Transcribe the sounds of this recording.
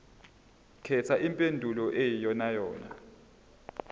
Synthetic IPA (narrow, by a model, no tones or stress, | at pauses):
kʰɛt͡sʰaʔimpʼendʱulɔʔejijɔnajɔːna̰